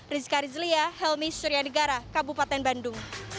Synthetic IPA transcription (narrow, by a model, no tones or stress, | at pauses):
rizkaɾizliahɛlmisuɾianəɡaɾakabupat̪ɛnbandʊŋ